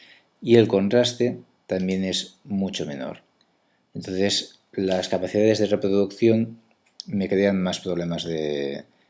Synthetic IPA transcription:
ie̞lko̞nt̪ɾast̪e̞ | t̪ambje̞ne̞zmut͡ʃo̞me̞̰no̞̰ɾ | ent̪o̞nθe̞s | laskapaθiðaðe̞zðe̞re̞pɾoðukθjo̞n | me̞kɾe̞anmaspɾoβ̞le̞mazðe

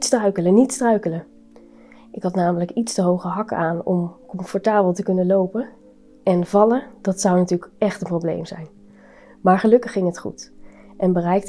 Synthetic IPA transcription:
tstrœɥkələnitstrœɥkələ | ɪkɦɑtnaːmələkitstəɦowχəɦɑkaːnɔ̰mkɔmfɔɹtaːbəlˠtəkɵnəlowpə | ɛnvɑləd̥ɑtsʌwnatyːləkɛχtənprowblḛjmzɛjn | maːɹχəlɵkəχːɪŋɦətχṵtʔɛnbərɛjk̚t

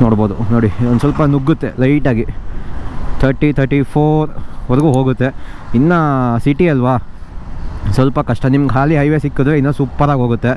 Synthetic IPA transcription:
noːɽboːd̪unoːɽiond̪sʋɐlpɐnuɡːut̪ːe̞̰lɐjʈaːɡi | t̪ʰɐɾʈit̪ʰɐɾʈipʰoːɾʋɐɾɐɡuːɦoːɡut̪ːe̞inːɐsiʈiɐlʋa | sɐlpɐkɐʂʈɐnimɐɡɦaːliɦɐjʋesikːud̪ʋeinːɐsupːɐɾaːɡɦoːɡut̪ːe

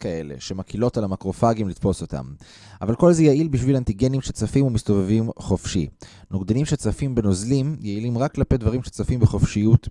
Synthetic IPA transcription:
kae̞le̞̰ʃe̞makilo̞talamakʁo̞faɡimlit̪fo̞so̞ta̰m | a̰valko̞lzejaʔilbiʃvilant̪iɡenimʃet͡safimumist̪o̞vevimχo̞fʃi | noɡd̪enimʃet͡safimbe̞nozlimjeilimʁakːlapedvaʁimʃet͡safimbeχo̞fʃijut

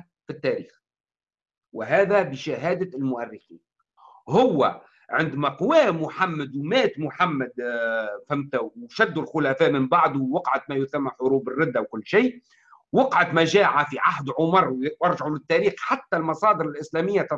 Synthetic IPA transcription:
fit̪ːæɾiːx | wɪɦæːðæbɪʃaɦæːd̪aɪlmʊʔærːɪxḭːn | ɦʊwːæ | ʕɪnd̪mæqʊwæːmʊħamːad̪wmæːt̪mʊħamːad̪fæmt̪awʃæd̪ːulxʊlæfæːʔmɪmbaʕd̪uwwɑqʕat̪mæjʊθamːaħʊɾuːbɪrːɪd̪ːawkʊlːʃiː | wɑqʕat̪mæʒaːʕafiʕaɦd̪ʕʊmɑɾˤʔɑɾˤʒaʕulɪt̪ːæːɾiːxħat̪ːælmɑsˤɑːd̪əɾɪlʔɪslæːmɪjːat̪ɑ

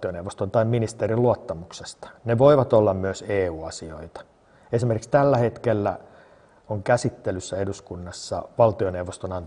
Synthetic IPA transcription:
ioneʋːost̪ont̪ɑimminist̪eɾiluot̪ːɑmukse̥st̪ɑ̥neʋoiʋɑt̪olːɑmmyøseːuːɑsio̰it̪ɑ̥ | esimerkikst̪ælːæhet̪kelːæ̰ | oŋkæsit̪ːelysːæeduskunːɑsːɑ̰ʋɑlt̪ioneuʋːost̪onɑnt

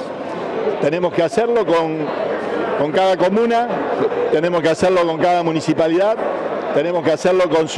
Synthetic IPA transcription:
t̪enẽ̞mo̞skeaseɾlo̞koŋ | ko̞ŋkaðako̞mũnat̪enemoskeaseɾlo̞ko̞ŋkaðamũnisipaliðaðt̪e̞ne̞mo̞skeaseɾlo̞ko̞ns

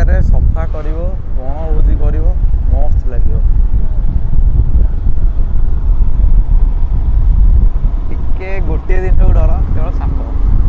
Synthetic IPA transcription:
aɾesɔkʰakɔɾibɔbɔɽ̃ɔbud͡ʒikɔɾibɔmɔst̪ʰilaɡibɔ | ekeɡoʈied̪int̪euɖɔɾat̪ẽɔsaŋkɔɔ

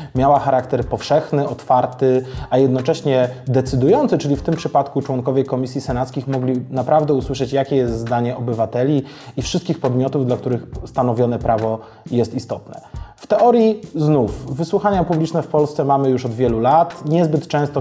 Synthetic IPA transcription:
mʲjawaxaɾakt̪ɛɾpɔfʂɛxnɘɔt̪faɾt̪ɘajɛd̪nɔt͡ʂɛɕɲɛd̪ɛt̪sɘd̪ujɔnt̪sɘt͡ʂɘlʲift̪ɘmpʂɘpat̪kut͡ʂwɔŋkɔvʲjɛkɔmʲisʲjisɛnat̪skʲixmɔɡlʲinapɾavd̪ɛuswɘʂɛt͡ɕjakʲɛjɛst̪zd̪aɲɛɔbɘvat̪ɛlʲi | ifʂɘst̪̚kʲixpɔd̪mʲjɔt̪uvd̪lak̚t̪uɾɘxst̪anɔvʲjɔnɛpɾavɔ | jɛst̪ist̪ɔt̪nɛ̰ft̪ɛʔɔɾjiznufvɘswuxaɲapublʲit͡ʂnɛfpɔlst̪sɛmamɘjuʂɔd̪vʲjɛlulat̪ɲɛzbɘt̪t͡ʂɛ̃st̪ɔ

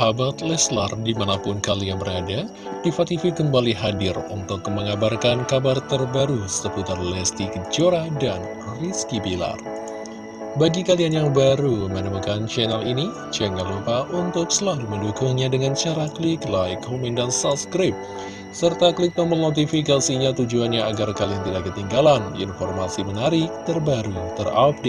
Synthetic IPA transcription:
abat̪lɛsla̰rdimanapʊnkalijaŋbəɾada | difat̪ifikəmbaliɦadɪrṵnt̪ʊkməŋabarkankabart̪ərbaɾusəput̪ərlɛst̪ik̚d͡ʒoɾadan | riskibila̰r | baɡikalianjaŋbaɾumənəmukant͡ʃɛnalini | t͡ʃənalːupaʔunt̪ʊk̚səlaluməndukʊŋɲadəŋant͡ʃaɾakliklajkʰomindansaskɾip̚ | sərt̪aklɪk̚məmənot̪̬ifikasiɲat̪ud͡ʒuanɲaːɡarkaliaŋt̪idaʔkət̪iŋɡalandiinfɔrmasimənaɾɪk̚t̪ərbaɾut̪ərap̚de

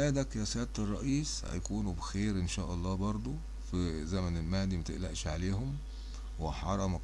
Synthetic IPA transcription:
æːd̪ækjæsæːt̪erˤːɑʔiːshæ̰jkuːnubexeːɾʔenʃæːʔɑlˤːɑːbɑɾˤd̪ˤo | fizæmænelmæːd̪imæt̪eʔlæʔʃʕaleːhom | weħɑɾˤɑmæk

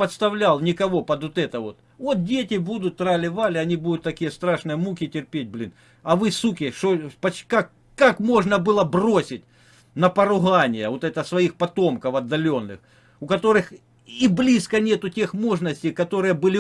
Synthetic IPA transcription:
pɐt̪st̪ɐvlʲalˠnʲɪkɐʋo̞pɐd̪ot̪ɛt̪əvot̪ | vo̞t̪̚dʲetʲɪbud̪ʊt̪ːɾalʲɪvalʲɪɐnʲibud̪ʊt̪t̪ːɐkʲijəst̪ɾaʂnɨjəmukʲɪtʲɪrpʲet̚ʲblʲḭn | ɐvɨsukʲɪʂopɐkak | kːakmo̞ʐnəbɨlˠəbro̞sʲɪtʲ | nɐpɐɾʊɦanʲɪjəvo̞t̪ɛt̪əsvɐixpɐt̪o̞mkɐfɐd̪ːɐlʲo̞nːɨ̰x | ʊkɐt̪o̞ɾɨx | iblʲiskənʲe̞t̪ʊtʲe̞xmo̞ʐnəsʲtʲɪjkɐt̪o̞ɾɨjəbɨlʲɪ

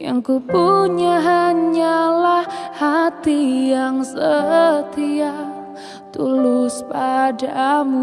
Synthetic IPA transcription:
ja̰ŋkupuɲaɦaɲalahhat̪ijaŋsət̪ia | t̪ulʊspadamu

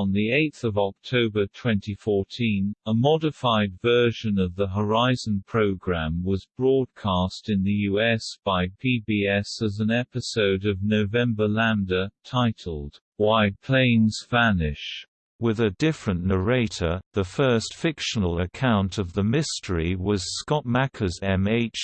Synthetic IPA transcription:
ə̃nðieɪt̪θʌvɑk̚tʰoʊbə˞tʰw̥ɛ̃ntifɔɹtʰĩnəmɑɾɨfaɪdvɜ˞ʒɨ̃nʌvðəɦə˞aɪz̃n̩pʰɹ̥oʊɡɹæ̃mwʌzbɹɔd̚kʰɑstɨ̃nðɨjʉɛsb̥aɪpʰibiɛsəzə̃nɛpɨsoʊɾʌvnoʊvɛ̃mbə˞læ̃ndətʰaɪtʰl̩ˠd̥ | waɪpʰl̥ẽɪ̃nz̥fænɪʃ | wɪðɨdɪfɹə̃nːəɹeɪɾə˞ðəfɜˑ˞stfɪkʃənl̩ˠəkʰãʊ̃ntʰʌvðəmɪstəɹiwʌz̥skɑt̚mækʰəzɛ̃meɪt͡ʃ

